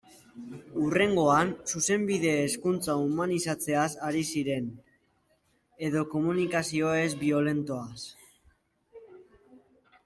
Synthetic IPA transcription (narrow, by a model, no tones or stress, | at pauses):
ure̞ŋɡo̞ansuse̞mbiðe̞ːskunt͡saumanisat͡se̞asaɾisiɾe̞n | e̞ðo̞ko̞munikasio̞e̞zbio̞le̞nt̪o̞as